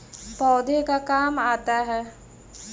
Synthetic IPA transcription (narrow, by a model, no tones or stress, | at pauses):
pɔːd̪ʱekakaːmaːt̪aɦɛː